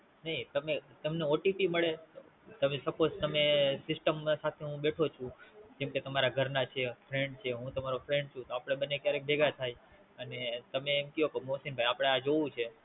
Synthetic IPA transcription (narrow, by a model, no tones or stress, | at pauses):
nəɦit̪əmet̪əmneoʈipiməɭet̪ot̪əmesəpod͡ʒt̪əmesɪsʈəmsat̪ʰeɦũɓeʈʰot͡ʃʰũd͡ʒɛ̃mket̪əmaɾaɡʱəɾnat͡ʃʰefʰɾeɳɖt͡ʃʰeɦũt̪əmaɾofɾẽɳɖ̚t͡ʃʰũt̪oapɽ̃eɓənːekjaɾek̚bʱeɡat̪ʰaj | ənet̪əmeːmkijokomosinbʱajapɽ̃ead͡ʒoʋũt͡ʃʰe